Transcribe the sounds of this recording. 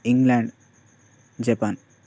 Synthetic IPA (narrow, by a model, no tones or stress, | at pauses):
iŋɡlaɳɖ | d͡ʑepan